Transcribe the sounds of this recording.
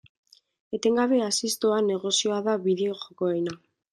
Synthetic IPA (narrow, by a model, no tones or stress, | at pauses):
et̪e̞ŋɡaβeasist̪oane̞ɣo̞sjoaðaβiðeoʝokoejna